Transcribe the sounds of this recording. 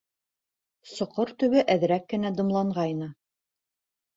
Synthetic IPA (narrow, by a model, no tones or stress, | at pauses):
sŏqoɾt̪ɵ̆βɘʔæðɾækːɘ̆næd̪ɤ̆mlˠɑɴʁɑjnɤ